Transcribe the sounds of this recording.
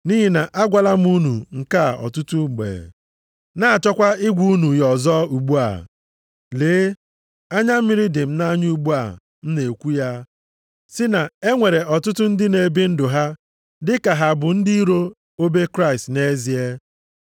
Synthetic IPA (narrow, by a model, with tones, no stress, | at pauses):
ni˦ɦi˦na˨ʔa˦ɡʷa˨la˦m˦u˦nu˨ŋ̩˨ka˦˨ɔ̰˨tʊ˦tʊ˦˨ɡ͡bḛ˨ | na˦a˨t͡ʃɔ˦kʷa˦ɪ˦ɡʷu˦nu˨jɔ˨zɔ˦u˨ɡ͡bu˦a̰˨ | leː˨˦ | a˦ɲa˦m̩˦mɪ˦ɾɪ˦dɪ˨m̩˦na˦ɲu˦u˦ɡ͡bu˦a̰˨ | n̩˦ne˨kʷu˦ja˦ | sɪ˦na˨e˦ŋʷe˨ɾe˨ʔɔ˨tʊ˦tʊ˦n̩˦dɪ˦ne˨bi˦n̩˦dʊ˨ɦa˦ | dɪ˦ka˨ɦa˨bʊ˨n̩˦di˦i˦ɾo˦ | o˦be˦kɾa˦ɪ˨stne˦zi˨e˦